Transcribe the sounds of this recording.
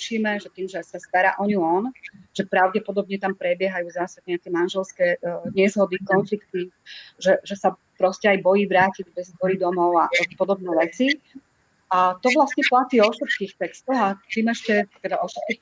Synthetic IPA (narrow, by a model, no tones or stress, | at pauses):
ʃiːmɛʒɛt̪iːmʒɛsast̪aɾa̰ʔɔɲiɔnʒ̥ɛpɾaʊɟɛpɔd̪ɔbɲɛt̪ampɾɛbjɛɦajuːzaːsaɡɲɛakɛmanʒɛlskɛːɲɛzɦɔd̪ikɔnflikt̪iʒɛʒɛsa | pɾɔscɛajbɔjiːʋɾaːcid͡zbɛzɔɾid̪ɔmɔʊaʔapɔd̪ɔbnɛːʋɛt͡si | at̪ɔʋlasɲɛplat̪iːɔʃɔskiːxt̪ɛkst̪ɔɦat̪iːmɛʃcɛt̪ɛd̪aʔɔʃɔskix